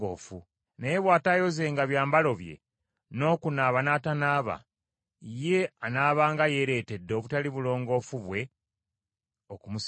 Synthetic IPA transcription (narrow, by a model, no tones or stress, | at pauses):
o̰fu | neje̞βwaːtajo̞ze̞ːŋɡaβjaːmbalo̞βje̞̰ | no̞ːkunaːβanaːtanaːβa̰ | ije̞anaːβaːŋɡaje̞ɾe̞ːte̞dːo̞βutaliβulo̞ːŋɡo̞fuβwe̞ | okumus